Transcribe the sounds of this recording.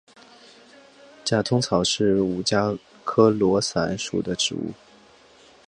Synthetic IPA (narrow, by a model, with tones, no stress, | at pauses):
t͡ɕja˥˩t̪ʰʊ˥ŋt͡sʰɑ˨˩ʊʂɻ̩˥˩u˨˩t͡ɕja˥ | kʰɤ˥lwɔ˧˥sa̰˧˥nʂṵ˨˩d̪ə˦ʈ͡ʂɻ̩̰˧˥ṵ˥˩